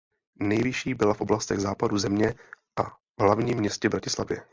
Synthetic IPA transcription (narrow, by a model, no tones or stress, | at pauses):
nɛjvɪʃiːbɪlafʔo̞blast̪ɛɣzaːpaduzɛmɲɛ | ʔa | vɦlavɲiːmːɲɛscɛvbɾacɪsla̰vjɛ̰